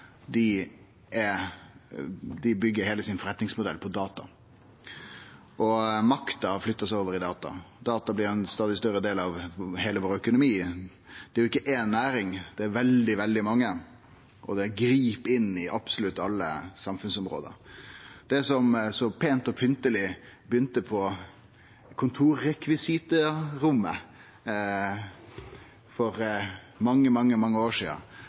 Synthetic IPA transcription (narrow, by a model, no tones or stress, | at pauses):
d̪ɪ | ʔɛ | d̪ɪbʏɡːəɾheːləsɪnfɔɾɛt̪nɪŋsmʊd̪ɛ̰lpʰɔd̪ɑːt̪ɑ̰ | ʔɔmɑkt̪ɑflʏt̪ːəsæɪoːʋəɾɪd̪ɑːt̪ɑ̰d̪̥ɑːt̪ɑblɪɾɛnst̪ɑːd̪ɪst̪œɾəd̪eːlɑʋheːləʋoːɾœkʊnʊmiː | d̪̥ɛæɾjʊɪkːəʔeːnːæːɾɪŋd̪̥ɛæɾʋɛld̪ɪʋɛld̪ɪmɑŋːə | ʔɔ̰d̪ɛɡɾiːpɪnːɪʔɑb̥sʊlʉt̪ːɑlːə̰sɑmfʉnsɔmɾo̰ːd̪ə̰ɾd̪̥ɛsɔmsɔpʰeːnt̪ɔpʰʏnt̪əlɪbəjʏnt̪əpʰɔ | kʰʊnt̪ʰuːɾːɛkʋɪsɪt̪əɾʊmːə | fɔɾ | mɑŋːəmɑŋːəmɑŋːəoːʂḭːə̰